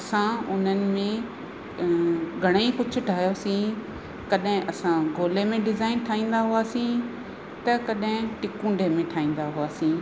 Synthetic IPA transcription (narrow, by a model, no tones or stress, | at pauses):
ɐsãʊn̤ənɪ̆mẽ | ɡʱɐɽ̃ikʊt͡ɕʰʊ̆ʈʰaːɦjosĩ | kɐɗɦɪ̃ʔɐsãɡʱoːlemẽɖɪzaːɪnʈʰaːĩːnd̪aɦʊaːsĩ | t̪ɐkɐɗɦɪ̃ʈɪkũːɳɖʱemẽʈʰaːĩːn̆d̪aɦʊaːsĩː